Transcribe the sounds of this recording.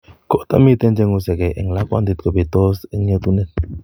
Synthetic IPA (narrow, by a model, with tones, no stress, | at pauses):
ɡ̥o˨ʔt̪ə̰mi˦t̪ɛ˦nd͡ʒɛ˧ŋu˧sɛ˨ke˨ʔɪ˨ŋla˦ka̰˧nd̪i˧t̪̚kə˨be˨t̪ɔ˦sɪ˦ŋɲə˧t̪unɛt̪̚